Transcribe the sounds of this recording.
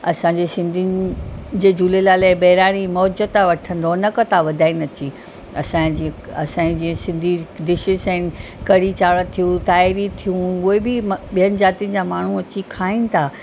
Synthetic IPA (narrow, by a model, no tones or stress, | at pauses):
ɐsãɲd͡ʑesɪ̃nd̪ʱind͡ʑeːd͡ʑuːlelaːlabɐɦɾaːɽ̃imɔːd͡ʑət̪ʰːaʋɐʈʰə̃nd̪onɐkət̪ʰaʋɐd̪ʱaːinɐt͡ɕi | ɐ̰sãd͡ʑĩɐ̰sãːid͡ʑiːə̃sɪ̃nd̪ʱid̪ɪʃɪsɛ̃ɪnɪ̆kɐɽit͡ɕaːɽə̃t̪ʰijũt̪aːɪɾit̪ʰijũʊɦebɪmɓijənɪ̆d͡ʑaːt̪iənɪ̆d͡ʑaːmaːɳ̤uɐt͡ɕikʰaːinɪ̆t̪ʰaː